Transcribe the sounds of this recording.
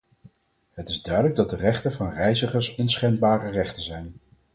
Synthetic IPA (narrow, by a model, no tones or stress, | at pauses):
ɦətɪzdœɥdələɡ̚dɑt̚dərɛχtənvɑnrɛjzəχəɹsənsχɛnbaːrərɛχtənzɛjn